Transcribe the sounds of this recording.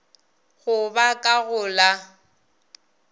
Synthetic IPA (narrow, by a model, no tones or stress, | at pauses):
ɣʊbakʼaɣʊla